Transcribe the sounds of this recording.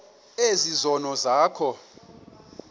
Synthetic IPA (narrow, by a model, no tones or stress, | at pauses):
ezizɔnɔzaːkʰɔ